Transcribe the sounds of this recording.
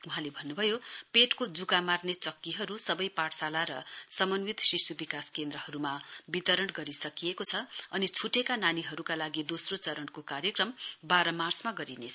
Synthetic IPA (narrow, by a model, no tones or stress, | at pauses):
uɦãlebʱʌnːubʱʌjopeʈkod͡zukamarnet͡sʌkːiɦʌɾusʌbʌjpaʈsalaɾʌsʌmʌnwit̪sisubikaskend̪ɾʌhʌɾumabit̪ʌɾʌɳɡʌɾisʌkijekot͡sʰʌʌnit͡sʰuʈekananiɦʌɾukalaɡid̪osrot͡sʌɾʌɳkokaɾjekrʌmbaɾʌmart͡smaɡʌɾine